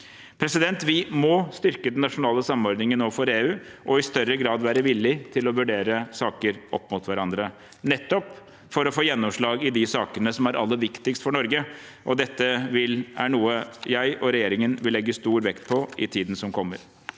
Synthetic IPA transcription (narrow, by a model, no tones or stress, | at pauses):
pʰɾɛsɪd̪ɛnt̪ʋɪmɔst̪ʏɾkəd̪ɛnːɑʂʊnɑːləsɑmɔɾd̪nɪŋənoːfɔɾeːʉːʔɔɪst̪œɾəɡɾɑːd̪ʋæːɾəʋɪlːɪt̪ʰɪlɔʋʉɖeːɾəsɑːkəɾʔɔpːmʊt̪ʋæɾɑnd̪ɾə | nɛt̪ːɔp | fɔɾɔfoːjɛnːɔmʂɭɑːɡɪd̪ɪsɑːkənəsɔmæɾʔɑ̰lːəʋɪkt̪ɪkst̪fɔɳɔɾɡə | ʔɔd̪ɛt̪ːəʋɪlæɳuːəjæɪʔɔɾɛjeːɾɪŋənʋɪlːɛɡːəst̪uːɾʋɛkt̪̚pʰɔɪt̪ʰiːd̪n̩sɔmkʰɔmːə̰ɾ